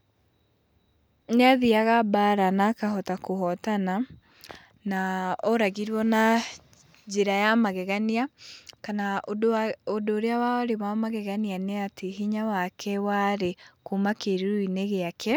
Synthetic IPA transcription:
ɲeaðiaɣabaɾanakahɔtakoɦɔtana | naɔɾaɣiɾwɔna | d͡ʒeɾajamaɣɛɣaniakana | odoːɾeawaɾemamaɣɛɣanianeateɦiɲawakʰɛwaɾekomakeɾeɾuineɣeakʰɛ

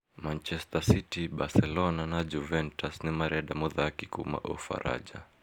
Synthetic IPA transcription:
mant͡ʃɛstasitibasɛlɔnanad͡ʒuvɛntasnimaɾɛaɗamɔðakikṵma̰ʔɔ̰fa̰ɾa̰d͡ʒa̰

